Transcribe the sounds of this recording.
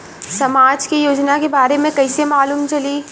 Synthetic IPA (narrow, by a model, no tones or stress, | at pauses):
sɐmaːd͡ʒkijoːd͡ʒnakebaːɾemẽkɐɪsemaːluːmt͡ʃɐliː